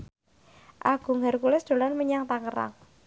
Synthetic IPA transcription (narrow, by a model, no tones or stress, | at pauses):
ʔaɡ̥ṳŋɛrkulɪsd̪̥o̤lanməɲaŋt̪aŋəɾa̰ŋ